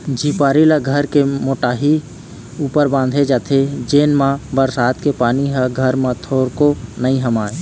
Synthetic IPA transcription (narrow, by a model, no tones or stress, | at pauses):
d͡ʒʱiːpaːɾilaɡʱəɾkemoːʈaːɦi | uːpəɾbãːnd̪ʱed͡ʒaːt̪ʰed͡ʒeːnmãbəɾsaːt̪kepaːniɦɛɡʱəɾmãt̪ʰoːɾkonəĩɦəmaːe